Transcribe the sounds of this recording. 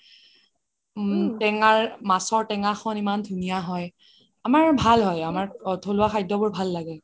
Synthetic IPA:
tɛŋaɹmasɔɹtɛŋaxʰɔnimandʱunijaɦɔj | amaɹbʱalɦɔjamaɹtʰolʊaxʰajdɔbʊɹbʱalːaɡɛ

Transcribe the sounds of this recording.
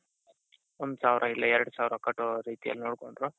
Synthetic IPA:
ɔnd̪usaːʋɾʔɐilːɐɛɾɐɽusaːʋɾɐkɐʈːoɾiːt̪ijɐ̰lːinoːɽkoɳɖɾu

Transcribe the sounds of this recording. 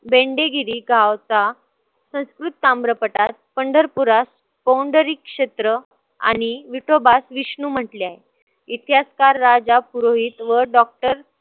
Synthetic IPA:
beɳɖeɡiɾiːɡʱaʋt͡sa | sə̃w̃skɾut̪ːambɾəpəʈat̪̚pəɳɖʱəɾpuɾas | bawɳɖəɾikːʂet̪ɾə | a̰ñiʋiʈobasʋiɕnum̤əʈliaɦe | it̪ʰjaskaɾːad͡zapuɾoɦit̪ʋəɖɔk̚ʈəɾ

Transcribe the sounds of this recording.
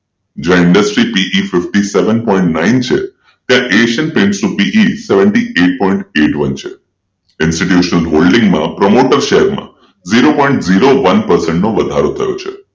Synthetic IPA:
d͡ʒãɪ̃ɳɖəsʈɾipiʔifɪfʈiseʋənpɔĩɳʈnaint͡ʃʰḛ | t̪jãʔeʃənpɾɪ̃ɳʈsnũpiʔiseʋəɳʈieʈ̚pɔĩɳʈeʈʋənt͡ʃʰḛ | ɪnsʈiʈjuʃnəlɦolɖɪ̃ŋɡmãpɾəmoʈəɾʃeɦɛɾmã̰ | ziɾopɔ̃ĩɳʈziɾoʋənpəɾsəɳʈnoʋəd̪ʱaɾot̪ʰəjo̰t͡ʃʰḛ

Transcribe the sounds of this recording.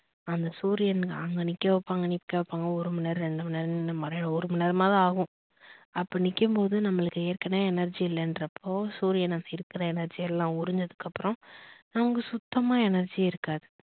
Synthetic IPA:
ɐnd̪ɐsuːɾɪjɐnɡɐŋɡɐnɪkːɐʋɐpːaːŋɡɐnɪpːɪkːɐʋɐpːaːŋɡɐɔɾɯmɪnɐɾɾɛɳɖɯmɐnɐɾnnɐmɐɾɔɾɯmɪnɐɾmaːðaːɣɯ̃ | ɐpːɐːnɪkːɯmpoːðɯnɐmːɐɭɯkːɯeːɾkɐneːɛnɐɾd͡ʒiɪlːɛndɾɐpʰːoːsuːɾɪjɐnɐmɐɪɾɯkːɪɾɐɛnɐɾd͡ʒijɛlːãːʊɾɪɲd͡ʒɐðɯkːɐpːɯɾɔ̃nɐʋɐŋɡɐsʊt̪ːɐmaːɛnɐɾd͡ʒiɪɾɯkːaːðɯ

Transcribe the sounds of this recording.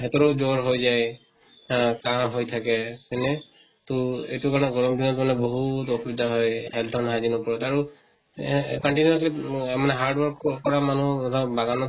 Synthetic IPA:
ɦɛtɔɾɔd͡ʒoɹɦojzaj | kaɦojt̪ʰakɛsɛnɛ | toejtukaɹnɛɡɔɹɔmd̪inɔtɔnɛbɔɦutoxubid̪ʱaɦɔjhɛltʰɔnɦazinɔpɔɹɔtaɹu | kɔnʈinuɔslimanɛɦaɹɖwɔɹkkɔɹamanuɔtʰabaɡanɔ

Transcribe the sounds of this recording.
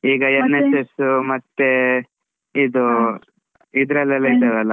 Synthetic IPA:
iːɡɐenːesesmɐt̪ːe | id̪u | id̪ɾɐlːɐlːɐit̪ɐd̪ɐlɐ

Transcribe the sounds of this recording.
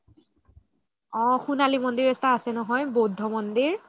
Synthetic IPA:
ɔ̃xunalimɔndiɹɛstaːsɛnɔɦɔjbodʱːɔmɔndiɹ

